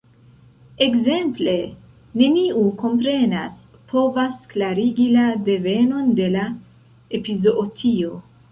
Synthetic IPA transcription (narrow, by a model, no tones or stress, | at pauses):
e̞kze̞mple̞ | ne̞niuko̞mpɾe̞nas | pʰo̞vasklaɾiɡilade̞ve̞no̞nde̞la | epizoʔotʰio̞